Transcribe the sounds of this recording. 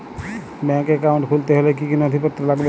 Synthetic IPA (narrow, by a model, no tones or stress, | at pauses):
bɛ̃keːkaʊ̃ɳʈkʰult̪eɦelekikinəd̪ʱipət̪ːɾəlaɡbe